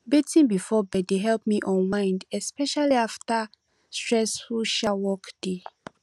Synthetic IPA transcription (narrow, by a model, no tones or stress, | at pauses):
betĩnbifɔbɛdeɦɛlp̚miʔɔ̃nwãɪ̃ndɛspɛʃaliafta | stɹɛsfulʃawɔkd̥e